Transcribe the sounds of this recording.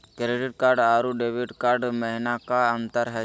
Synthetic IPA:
kɾeɖiʈ̚kaɾɖaːɾuɖebiʈkaɾɖməɦinakaənt̪əɾɦɛ

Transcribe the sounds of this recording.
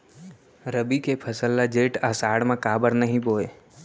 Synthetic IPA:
ɾəbikepʰəsəlːad͡ʒeːʈəsaːɽmẽkaːbəɾnəɦĩboːeː

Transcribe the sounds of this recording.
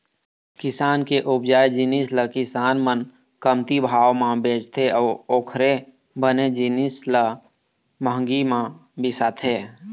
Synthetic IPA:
kɪsaːnkeʔʊbd͡ʒaːjd͡ʒinisləkɪsaːnmən | kəmt̪ibʱaːwmãbeːd͡ʒt̪ʰeɔːɾoːkʰɾe | bəned͡ʒinislə | məɦə̃ŋɡimãbɪsat̪ʰeː

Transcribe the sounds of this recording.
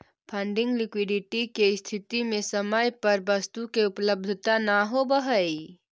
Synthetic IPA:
pʰə̃ɳɖɪ̃ŋɡlɪkwɪɖɪʈikest̪ʰɪt̪imẽsəməjpəɾbəst̪ukeʊpləb̚d̪ʱət̪anaɦobəɦəi

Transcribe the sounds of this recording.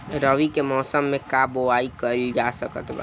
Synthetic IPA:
ɾəʋikemɔːsəmːekaboaikəld͡ʒasəkət̪ba̰

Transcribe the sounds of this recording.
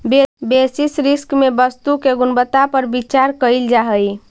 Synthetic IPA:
bebesisɾiskmebəst̪ukeɡunbət̪apəɾbit͡ʃaɾkəjld͡ʒaɦəj

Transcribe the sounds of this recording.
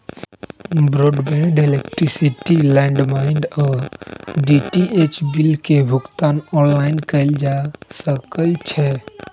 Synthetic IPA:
bɾoːɖbɛ̃ɖelekʈɾisiʈilɛ̃ɳɖmaɪnɖɔːɖiʈiet͡ʃbilkebʱʊkt̪aːnɔːnlaɪnkəɪld͡ʒasəkəlt͡ʃʰɛ

